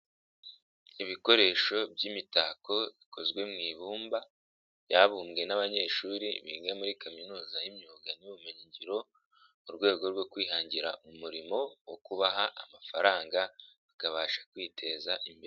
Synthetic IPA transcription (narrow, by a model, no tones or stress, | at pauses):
iβiko̞ɾe̞ːʃo̞bjimitaːko̞βikʰo̞zɡwe̞mŋiːβuːmba | jaβuːmɡe̞naβaɲe̞ːʃuːɾiβḭŋɡamuɾikaminuːzajimioːŋɡaniβuumeɲiɲɟiɾo̞ | uɾɡwe̞ːɡo̞ɾɡo̞kwiːɦaːɲɟiɾa̰ʔumuɾimo̞wokuβaɦaʔamafaɾaːŋɡaβakaβaːʃḁkwiːtʰe̞ːzaʔimbe